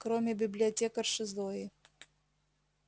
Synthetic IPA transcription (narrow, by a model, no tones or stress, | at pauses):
kɾomʲɪbʲɪblʲɪɐtʲekərʂɨzlˠojɪ